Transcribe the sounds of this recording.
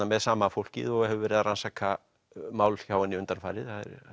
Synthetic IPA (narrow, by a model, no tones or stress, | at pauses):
amɛðsaːmafowl̥cɪ̰ðɔɣhɛvʏvɛːɾɪðaɾansaːka | maːwlç̥aːwanːiʏnt̪anfaːjɾɪðθaðɛ̰ɾ